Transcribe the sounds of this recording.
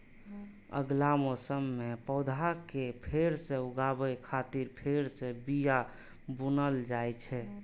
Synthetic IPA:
ə̰ɡlamosəmːepəd̪ʱakepʰeɾsẽuɡabəjkʰat̪iɾpʰeɾsẽbija | bunəld͡ʒajt͡ʃʰɛ

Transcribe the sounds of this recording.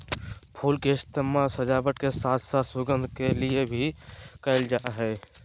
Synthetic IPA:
pʰuːlkest̪əmasəd͡ʒabəʈkesaːt̪ʰsasuɡənd̪ʱkeliebʱikəɪld͡ʒaʔɦɛ

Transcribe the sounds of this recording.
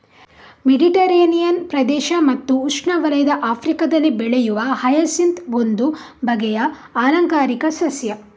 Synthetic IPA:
meɖiʈɐɾeːnijɐnpɾɐd̪ɛːʃɐmɐt̪ːuːʂɳɐʋɐlɐjɐd̪ɐʔaːpʰɾikɐd̪ɐlːibɛɭejuʋɐhɐjɐsint̪ond̪u | bʱɐɡɛjɐ | aːlɐŋkaːɾikɐsɐsjɐ

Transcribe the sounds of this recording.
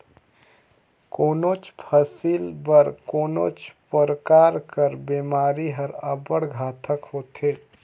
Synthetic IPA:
koːnoːt͡ʃpʰəsiːlbəɾkoːno̰ːt͡ʃpəɾəkaːɾkəɾbeːmaːɾiɦəɾəbəɽɡʱaːt̪ʰəkɦoːt̪eː

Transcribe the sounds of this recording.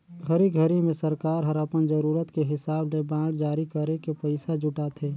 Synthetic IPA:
ɡʱəɾiɡʱəɾimẽsəɾkaːɾɦəɾapənd͡ʒəɾuːɾət̪keɦɪsaːblebãːɽd͡ʒaːɾikəɾekepəɪsad͡ʒʊʈat̪ʰeː

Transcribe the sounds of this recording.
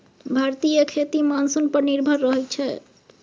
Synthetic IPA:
bʱaɾt̪ijəkʰet̪imansunpəɾniɾbʱəɾːɔɦɛt͡ʃʰɛ

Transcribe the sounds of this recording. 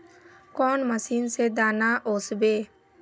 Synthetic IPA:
kɔːnməsiːnsed̪aːnaʔoːsbeː

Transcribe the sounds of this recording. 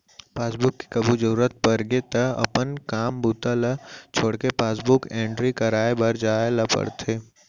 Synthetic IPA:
paːsbʊkːi̥kɐbud͡ʒəɾuːɾət̪̚pɐɾɡet̪ɐɐ̰pənkaːmbuːt̪alɐt͡ʃʰoːɽkepaːsbʊkɛ̃ːɳʈɾikɐɾaːebɐɾd͡ʒaːelɐpə̰ɽt̪ʰeː

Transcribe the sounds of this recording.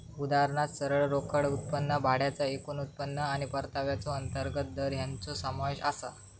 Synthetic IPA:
ud̪aɾɳat̪səɾəɭɾokʰəɽut̪̚pənːəbʱaɽjat͡səekuːnut̪̚pənːəaɽ̃ipəɾt̪aʋjat͡soənt̪əɾɡət̪̚d̪əɾjant͡sosəmaʋeɕasa̰

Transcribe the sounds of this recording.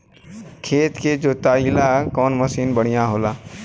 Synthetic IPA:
kʰeːt̪ked͡ʒoːt̪aːilakɔːnməsiːnbəɽ̤ijãɦoːlaː

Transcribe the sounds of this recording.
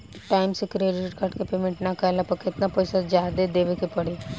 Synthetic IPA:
ʈaːɪmsekɾeːɖɪʈkʰɐʈkepeːmẽɳʈnakɐlapɐkɪt̪napojsazjaːd̪ed̪eːʋekepɐɽe

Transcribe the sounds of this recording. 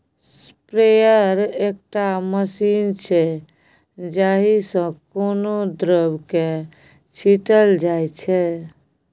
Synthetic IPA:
sspɾejəɾek̚ʈaməsint͡ʃʰɛ | d͡ʒaɦisə̃konod̪ɾəbke | t͡ʃʰiʈəld͡ʒajt͡ʃʰɛ

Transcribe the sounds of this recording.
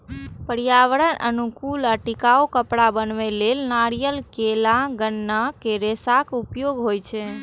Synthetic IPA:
pəɾijaʋəɽənʔə̰nukuləʈikaukəpɽabənʋɛlelnaɾijəlkelãɡənːakeɾesakupjoɡɦojt͡ʃʰɛ

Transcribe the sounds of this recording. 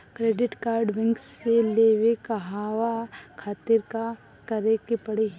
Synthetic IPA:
kɾeːɖɪʈkaːɾɖʋɪ̃ŋkskeleʋekaɦaːʋakʰaːt̪ɪɾka | kɐɾekepɐɽeɦ

